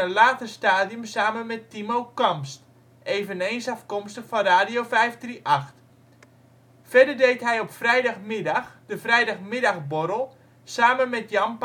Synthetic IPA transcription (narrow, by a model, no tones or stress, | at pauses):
əlaːtəstaːdijəmsaːmənmɛtːimowkɔmst | eːvəneːnsɑfkɔmstəxfɑnraːdijoːfɛjfdriʔɑxt | fɛrdərdejtɦɛjɔpfrɛjdɑxmɪdɑxd̥əfrɛjdɑxmɪdɑxboɾəlˠ | saːmənmɛtjɑmp